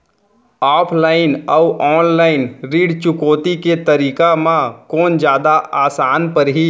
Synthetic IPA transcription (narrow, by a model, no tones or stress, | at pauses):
aːpʰlaːɪnɔʊʔɔːnlaːɪnɾiːɖt͡ʃʊkoːt̪iket̪ɐɾiːkamãkoːnd͡ʒjaːd̪aaːsaːnpəɾɦi